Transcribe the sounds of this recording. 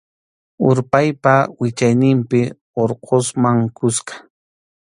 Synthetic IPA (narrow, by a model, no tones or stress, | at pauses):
ʊɾpajpawɪt͡ʃajnɪmpɪ | oɾqʰosmaŋkʊsqɑ̥